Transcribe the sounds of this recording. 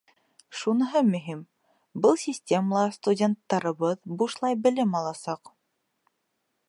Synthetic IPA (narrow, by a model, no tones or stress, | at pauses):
ʃunɤ̆ɦɤmɵ̆ɦim | bɤlˠsʲisʲtʲeməlˠɑst̪udʲent̪ːɑɾɤ̆βɤðbuʃlˠɑjbɘ̆lɘmɑlˠɑsɑq